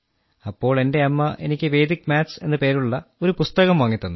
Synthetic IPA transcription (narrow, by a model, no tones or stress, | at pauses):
ɐpːo̞ːɭe̞nde̞ɐmːɐʔe̞̰nikʲːɨʋe̞jd̪ikːmʲaːse̞nːɨpe̞ːɾuɭːɐo̞ɾupust̪ɐɣɐmʋɐŋːit̪ːunːɨ